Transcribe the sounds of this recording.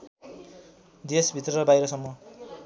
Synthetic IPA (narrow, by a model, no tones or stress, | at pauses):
d̪esbʱit̪rʌɾʌbajɾʌsʌmːʌ